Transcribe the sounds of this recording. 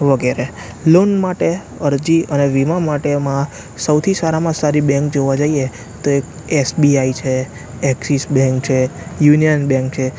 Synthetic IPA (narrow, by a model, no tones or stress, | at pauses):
ʋəɡɛɾe | lonmaʈe | əɾd͡ʒiəneʋimãmaʈemã | səwt̪ʰisaɾamãsaɾibɛ̃ŋk̚d͡ʒoʋad͡ʒaie | t̪oek̚ | ɛsbiait͡ʃʰe | ɛksisbɛ̃ŋkt͡ʃʰejunijənbɛ̃ŋk̚t͡ʃʰe